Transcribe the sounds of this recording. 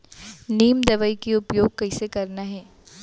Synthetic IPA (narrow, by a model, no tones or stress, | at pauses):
niːmd̪ɐʋəikiʊpjoːɡ̚kɐɪsekɐɾnaɦɛː